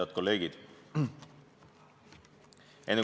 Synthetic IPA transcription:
ɑd̪̚ko̞lːe̞ːɡ̥id̪̥ | enː

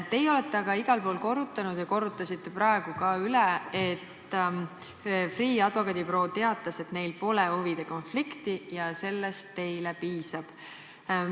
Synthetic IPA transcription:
t̪e̞jo̞let̪ːˑeɑɡ̥ɑiɡ̥ɑlpo̞ːlko̞rːut̪ːˑɑnud̪̥jɑko̞rːut̪ːˑɑsit̪ːe̞prɑe̞ɡ̥ukɑːyleet̪ːˑ | friːɑd̪̥vo̞kɑd̪ipro̞ːt̪e̞ɑt̪ːˑɑse̞t̪ne̞jlpo̞leuvid̪̥e̞ko̞nflikt̪ijɑse̞lːest̪ːe̞jlepiːsɑb̥

